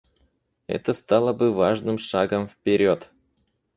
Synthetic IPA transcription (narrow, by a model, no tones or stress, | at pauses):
ɛ̰t̪əst̪ɑlˠəbɨvaʐnɨmʂaɡəmfʲpʲeɾʲot̪